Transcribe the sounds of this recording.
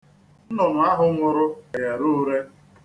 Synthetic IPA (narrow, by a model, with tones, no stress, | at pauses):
n̩˦nʊ˨nʊ˨a˦ɦʊ˦ŋʷʊ˨ɾʊ˦a˨ja˨ɾu˦ɾe˦